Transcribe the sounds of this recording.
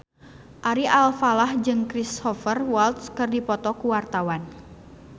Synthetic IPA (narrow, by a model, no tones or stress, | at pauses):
ʔaɾiʔalfalahd͡ʒɨŋkɾisɔfərwalt̪skɨrdipɔt̪ɔkuwart̪awan